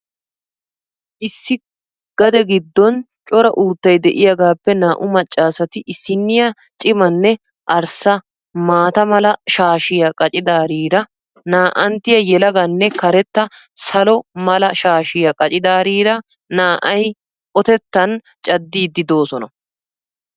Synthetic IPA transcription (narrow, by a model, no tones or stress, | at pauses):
ʔɪsːɪ | ɡ̥ɐd̪ɛɡɪd̪ːɔn | t͡ʃʼɔɾɐʔuːt̪ːɐjd̪ɛʔɪjɐɡaːpːɛnaːʔʊmɐt͡ʃʼːaːsɐt̪ɪʔɪsːɪnːɪjɐ | t͡ʃʼɪmɐnːɛ | ʔɐɾsɐ | maːt̪ɐmɐlɐʃaːʃɪjɐkʼɐt͡ʃʼɪd̪aːɾiːɾɐ | naːʔɐnt̪ɪjɐjɛlɐɡɐnːɛkɐɾɛt̪ːɐ | sɐlɔmɐlɐʃaːʃɪjɐkʼɐt͡ʃʼɪd̪aːɾiːɾɐ | naːʔɐj | ʔɔt̪ɛt̪ːɐn | t͡ʃʼɐd̪ːiːd̪ːɪd̪o̞ːsɔnɐ̰